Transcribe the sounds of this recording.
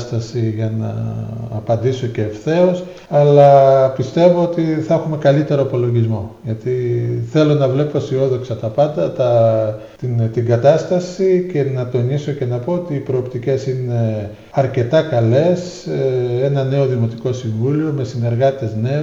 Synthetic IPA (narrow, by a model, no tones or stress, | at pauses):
st̪ɐsiʝɐnɐ̰ːpɐnd̪iso̞ce̞ːfθe̞o̞s | ɐlɐpist̪e̞vo̞ot̪iθɐexume̞kɐlit̪e̞ɾoipo̞lo̞ʝizmo̞ʝɐt̪iθe̞lo̞nɐvle̞po̞sio̞ðo̞ksɐt̪ɐpɐnd̪ɐt̪ɐ | t̪int̪iɡɐt̪ɐst̪ɐsice̞nɐt̪o̞niso̞ce̞nɐpo̞ot̪iːpɾo̞ːpt̪ice̞sine̞ | ɐɾce̞t̪ɐkɐle̞s | e̞nɐne̞o̞ðimo̞t̪iko̞siɱvulio̞me̞sine̞ɾɣɐt̪e̞zne̞